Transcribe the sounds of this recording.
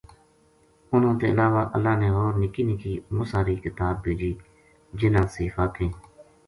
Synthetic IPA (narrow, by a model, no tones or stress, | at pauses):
ʊnõːt̪eːəlaːʋaːʔə̰lːaːneːɦoːɾnɪkiːnɪkiːmʊsaːɾiːkɪt̪aːb̚beːd͡ʒiː | d͡ʒɪnãːsiːfaːkẽː